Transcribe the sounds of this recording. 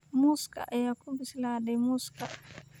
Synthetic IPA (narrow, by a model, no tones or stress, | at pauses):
muska̰ʔjakubisladɛmuska̰